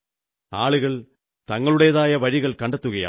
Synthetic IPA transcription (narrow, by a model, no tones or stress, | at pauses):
a̰ːɭuɣɐɭ | t̪ɐŋːɐɭuɽejɐðaːjɐʋɐɾiɣɐɭkɐɳɖɐt̪ːuɣɐja̰ː